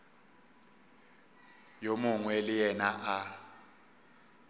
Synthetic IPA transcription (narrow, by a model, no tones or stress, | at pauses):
jomʊŋwɛlɪjɛnaʔa